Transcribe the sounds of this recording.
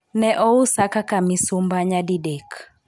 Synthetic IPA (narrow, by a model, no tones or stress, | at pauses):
nɛʔɔusakakamisumbaɲadidɛk